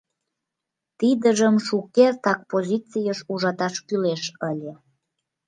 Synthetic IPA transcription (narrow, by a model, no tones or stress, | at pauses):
t̪id̪əʒəmʃukert̪ɑk̚pozʲit͡sijəʃuʒɑt̪ɑʃkyleʃəlʲe